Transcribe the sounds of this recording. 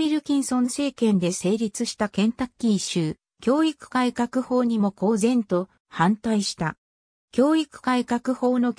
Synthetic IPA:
iɾɯ̟kʲĩɰ̃sõ̞nse̞ːkẽ̞nd̪e̞se̞ːɾʲit͡sɨɕi̥t̪akẽ̞nt̪akʲːiɕɨː | kʲo̞ːikɯ̥kaikakɯ̟ho̞ːɲ̟imo̞ko̞ːzẽ̞nt̪o̞ | hãnt̪aiɕi̥t̪a̰ | kʲo̞ːikɯ̥kaikakɯ̟ho̞ːno̞

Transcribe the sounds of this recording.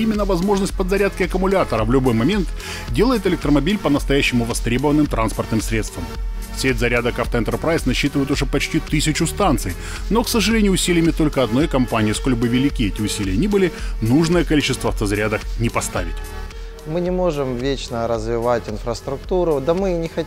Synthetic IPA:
imʲɪnːəvɐzmo̞ʐnəsʲt̚ʲpəd̪zɐɾʲat̪̚kʲɪɐkəmʊlʲat̪əɾəvlʲʊbo̞jmɐmʲe̞nt̪ | dʲe̞lˠəjɪt̪ɪlʲɪk̚t̪ɾəmɐbʲilʲpənəst̪ɐjæɕːɪmʊvɐst̪ɾʲe̞bəvənːɨmt̪ɾanspərt̪nɨmsɾʲe̞t̪st̪vəm | sʲet̪zɐɾʲad̪əkaft̪əɪnt̪ərpɾajsnɐɕːit̪ɨvəjɪt̪ʊʐɛpɐt͡ɕtʲit̪ɨsʲɪt͡ɕʊst̪ant̪sɨj | no̞ksəʐɨlʲenʲɪjʊːʊsʲilʲɪjmʲɪt̪o̞lʲkəɐd̪no̞jkɐmpanʲɪjəsko̞lʲbɨvʲɪlʲɪkʲiɛtʲɪʊsʲilʲɪjənʲibɨlʲɪnuʐnəjəkɐlʲit͡ɕɪst̪vəɐft̪əzɐɾʲad̪əknʲɪpɐst̪avʲɪ̰tʲ | mɨnʲɪmo̞ʐɨmvʲet͡ɕnəɾəzvʲɪvatʲɪnfɾəst̪ɾʊkt̪uɾʊd̪ɐmɨnʲɪxɐ

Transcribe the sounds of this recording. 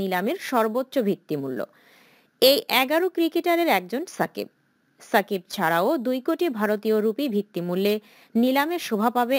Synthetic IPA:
nilameɾʃɔɾbotːɕobʱit̪ːimulːo̰ | ejʔɛɡaɾokɾikeʈaɾeɾɛk̚d͡ʑonsakḭb̚ | sakib̚t͡ɕʰaɾaod̪ujkoʈibʱaɾot̪ioɾupibʱit̪ːimulːe | nilameʃobʱapabe

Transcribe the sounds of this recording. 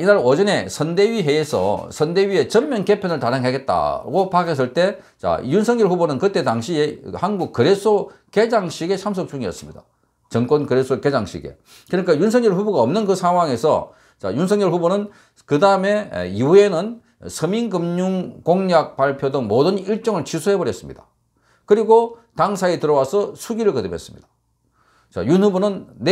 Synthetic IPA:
inaɾʌd͡ʑʌne̞sʰʌnde̞ɥiɦe̞esʰʌ̰sʰʌnde̞ɥie̞t͡ɕʌmmjʌnke̞pʰjonɯɭtaɾaŋɦeɡe̞t̚t͈a̰ɡopaɡes̬͈ɯɭt͈e̞ | t͡ɕa̰junsʰʌŋɲjʌɭɸubonɯnkɯt͈e̞taŋɕʰiehanɡuk̚kɯɾe̞sʰoke̞d͡ʑaŋɕʰiɡe̞sʰamsʰok̚t͡ɕuŋiʌs͈ɯmɲida̰ | t͡ɕʌŋk͈wonkɯɾesʰoke̞d͡ʑaŋɕʰḭɡe̞̰ | kɯɲik͈ajunsʰʌŋɲʌɭɸuboɡaʌmnɯnkɯsʰaŋɦwaŋe̞sʰʌ̰ | t͡ɕa̰junsʰʌŋɲʌɭɸubonɯn | kɯdaɯme̞̰iue̞nɯn | sʰɯmiŋɡɯmɲuŋkoŋɲak̚paɭpʰjodɯŋmodɯniɭt͡ɕ͈ʌŋɯɭt͡ɕisʰuɦe̞bʌɾjʌs͈ɯmɲid̥a | kɯɾiɡotaŋsʰaitɯɾʌwasʰʌsʰuɡiɾɯɭkʌdɯpʰes͈ɯmɲid̥ḁ | t͡ɕa̰junhubonɯnː

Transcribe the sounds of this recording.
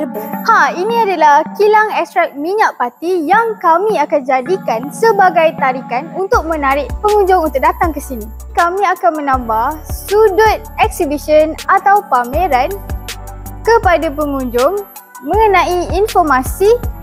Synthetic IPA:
hainĩadalahkilaŋɛkst̪ɾak̚miɲaʔpat̪ijaŋkamĩakand͡ʒadikansəbaɡajt̪aɾikanunt̪ʊk̚mə̃naɾɪʔpəŋuɲd͡ʒʊŋunt̪ʊk̚dat̪aŋkəsinĩ | kamĩakanmə̃nãmbahsudʊt̪̚ɛk̚sibiʃənat̪awpamẽɾan | kəpadap̬əŋuɲd͡ʒʊŋ | mə̃ŋənãiinfɔrmasi

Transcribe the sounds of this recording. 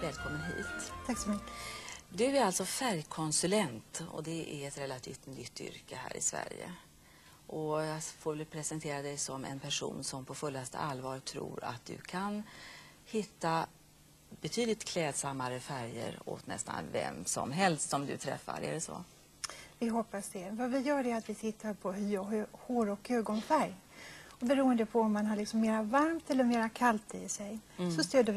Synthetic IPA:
vɛːlkʰɔmːənɦḭːt̪t̪ʰaksɔmʏkːd̪ɵæɾalt̪sɔfæɾjkʰɔnsɵlɛnt̪ɔ̰d̪ɛʔæɾɛt̪ɾɛlːat̪ʰḭːft̪nʏt̪ːʏ̰ɾkəhæ̰ːɾɪsvæ̰ɾjə̰ | ʔɔjɑːfoːɾvɛlpʰɾɛsɛnt̪ʰeːɾad̪ɛjsɔmɛ̰npʰæʂṵːnsɔmpʰɔfɵlːast̪ə̰ʔalːvɑːɾt̪ʰɾṵːɾa̰t̪̚d̪ɵ̟̰kʰan | hɪt̪ːa | bɛt̪ʰyːd̪lɪt̪kʰlɛːd̪samːaɾəfæɾjə̰ɾo̰t̪nɛ̰st̪a̰nvɛ̰msɔ̰mɦɛlst̪sɔmd̪ɵ̰t̪ʰɾɛ̰fːa̰ɾæ̰ɖɛsɔ̰ | vɪɦɔpːasd̪ɛvavɪjœːɾæɾat̪vɪt̪ʰɪt̪ʰːaɾpʰɔɦhoːɾɔkːøːɡɔnfæɾj | ɔbɛɾuːənd̪əpʰɔɔmːanɦaɾɭɪksɔmːeːɾavaɾmt̪ɛlːəɾmeːɾakʰalt̪ɪsɛjsɔst̪øːd̪ə

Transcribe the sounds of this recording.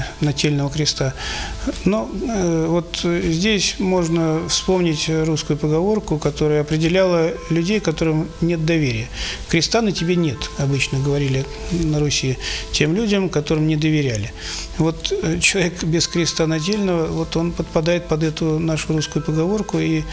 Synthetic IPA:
nɐtʲelʲnəvəkɾʲɪst̪a | novo̞t̪zʲdʲesʲmo̞ʐnəfspo̞mnʲɪtʲruskʊjʊpəɡɐvo̞rkʊkɐt̪o̞ɾəjʊɐpɾʲɪdʲɪlʲalˠəlʲʉdʲejkɐt̪o̞ɾɨmnʲe̞t̪̚d̪ɐvʲeɾʲɪjəkɾʲɪst̪anətʲɪbʲenʲe̞t̪ɐbɨt͡ɕnəɡəvɐɾʲilʲɪ | nəɾʊsʲiɪtʲe̞mlʲudʲəmkɐt̪o̞ɾɨmnʲɪd̪əvʲɪɾʲælʲɪvo̞t̪t͡ɕːɪlˠɐvʲekbʲɪskɾʲɪst̪anɐt̬ʲelʲnəvəvo̞t̪o̞npət̪pɐd̪ajɪt̪̚pɐd̪ɛt̪ʊnaʂʊruskʊjʊpəɡɐvo̞rkʊi

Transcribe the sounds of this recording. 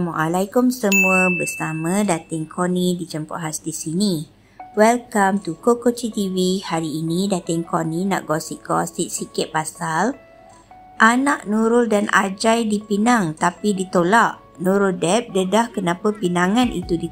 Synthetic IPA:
muʔalajkʊmsəmuəbəsamãdat̪əŋkʰonidid͡ʒəmpɔ̰ʔɦast̪isini | wɛlkamt̪ukokot͡ʃit̪iwihaɾiːnidat̪əŋkonina̰ʔɡɔsiʔɡɔ̰siʔ̚sikɪʔ̪̚pasal | ʔanaʔnuɾʊldanʔa̰d͡ʒajdipinaŋt̪apidit̪olaʔ | nuɾʊldɛp̚dədahkənapapinãŋãnʔḭt̪udi

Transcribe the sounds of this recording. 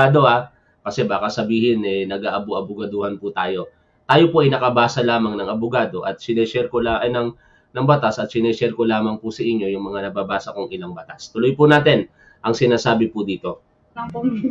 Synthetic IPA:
aːd̪o̞ʔa | kɐsɛbaːkɐsɐbiːhɪnʔɛnɐɡaːʔɐbʊʔɐbʊɡɐd̪uhɐnpʊt̪aːjo̞ | t̪aːjo̞poʔɐjnɐkɐbaːsɐlaːmɐŋnɐŋɐbʊɡaːd̪o̞ʔɐt̪̚sɪnɛːsɛɾkolaʔnɐŋ | nɐŋbɐt̪asʔɐt̪sɪnɛsɛɾkolaːmɐŋpʊsɐʔɪɲːo̞jʊŋmɐŋanɐbaːbaːsɐkoŋɪlaŋbɐt̪ast̪ʊlojpʊnaːt̪ɪn | ʔɐŋsɪnaːsaːbɪpʊd̪iːt̪o̞

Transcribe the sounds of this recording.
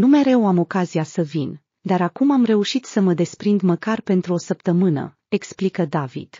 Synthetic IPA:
nume̞ɾe̞wamo̞kaziasəvin | d̪aɾakumamre̞uʃit̪səməd̪e̞spɾind̪məkarpe̞nt̪ɾuo̞səpt̪əmɨnə̰ | e̞ksplikəd̪avḭd̪̥

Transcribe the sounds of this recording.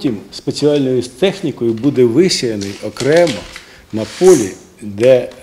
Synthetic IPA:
tʲimspe̞t͡sʲiɑlʲnɔjʊst̪ɛxnʲikɔjʊbud̪ɛʋɪsʲɐjɐnɪjɔkɾɛmɐ | nɐpɔlʲi | d̪ɛ

